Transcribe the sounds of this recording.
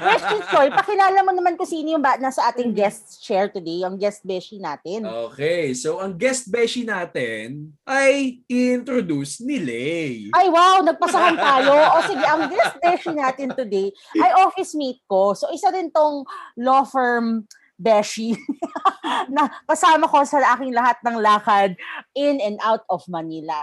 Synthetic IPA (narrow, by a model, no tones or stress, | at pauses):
wɛst͡ʃit̪fojpɐkɪnaːlɐmɐnɐmankʊsiːnojʊŋbanasɐʔaːt̪ɪŋɡɛst̪st͡ʃɛɹt̪ʊd̪ejɐŋɡɛst̪̚bɛʃinaːt̪ɪnoːkɛjsowʔɐŋɡɛst̪̚bɛʃinaːt̪ɛnʔɐjʔɪɪnt̪ɾod̪usnɪlɛʔajwawnɐɡ̚pɐsɐɦant̪aːjoʔosɪɡɛʔɐŋɡɛst̪̚bɛʃinaːt̪ɪnt̪ʊd̪ej | ʔɐjʔoːfɪsmejt̪̚ko̞soʔɪsaɾɪnt̪oŋloːfɛɹm | bɛʃi | nɐkɐsaːmɐko̞sɐʔaːkɪŋlɐɦat̪̚nɐŋlaːkɐd̪̚ɪnɐnd̪ʔawt̪̚ɔfmɐnilɐ